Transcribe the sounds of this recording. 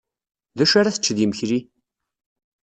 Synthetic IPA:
ðæʃaɾaθə̥t͡ʃːðjəməçɾi

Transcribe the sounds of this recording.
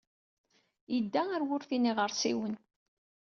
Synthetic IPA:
jəd̪ːææɾwʊɾθiniʁəɾsiwən

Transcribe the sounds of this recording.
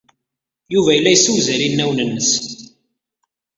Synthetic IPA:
juvæjəlːæjsuwzæɾinːæwnənːəs

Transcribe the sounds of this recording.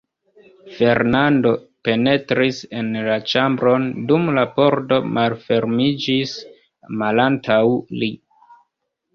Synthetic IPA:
fe̞ɾnando̞pe̞ne̞tɾise̞nlat͡ʃambɾo̞ndumlapo̞ɾto̞malfe̞ɾmid͡ʒis | malantawli

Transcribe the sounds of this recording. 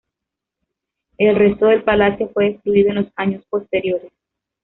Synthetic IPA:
e̞lrest̪oðe̞lpalasjo̞fwe̞ːskluiðoenlo̞saɲo̞spo̞st̪e̞ɾjo̞ɾes

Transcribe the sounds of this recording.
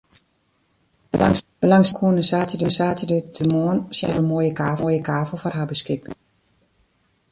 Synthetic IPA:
ŋbəlaŋsəkʰuənəsaːtədəsaːtədøtʰəmoənsjɛ̰ɾəmoːjəkaːvojəkʰaːvəlˠfɔrɦabəskɪk

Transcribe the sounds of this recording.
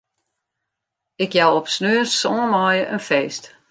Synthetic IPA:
ɪkjawɔpsnøːsɔmɔjəʔənfɛːst

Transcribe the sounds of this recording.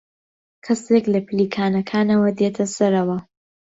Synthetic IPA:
kʰɐseklɐpɨliːkʰaːnɐkʰaːnɐwɐd̪eːt̪ʰɐsɐɾɐwɐ

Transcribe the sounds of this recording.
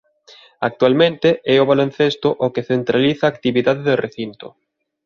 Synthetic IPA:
ak̚t̪ualmẽnt̪eɛʊβalonθest̪ʊʔokeθent̪ɾaliθaːkt̪iβiðaðeðoreθint̪o̰

